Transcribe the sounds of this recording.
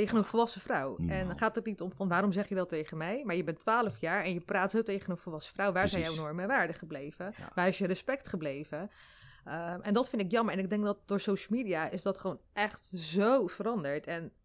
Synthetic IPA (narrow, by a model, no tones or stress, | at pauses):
teχənənfəlˠʋɑsəfrʌwɛnχaːtətnitɔmfɑnʋaːɾɔmzɛχjədɑtejχənmɛjmaːɹjəbɛntʋaːləfjaːɹɛnjəpraːtsoːtejχənənvəlˠʋɑsə̥frawʋaːɹzɛjjɛwnoːmɛʋaːɹdəχəblejvəʋaːɾɪsjərəspɛktχəblejvə | əʔɛndɑtfɪntɪkjɑməɹɛnɪɡ̚dɛŋk̚dɑt̚dʊːɹsowʃəl̩ˠmidiaʔɪzdɑtχəʋownʔɛχtzowvəɾɑndəɹtʰɛn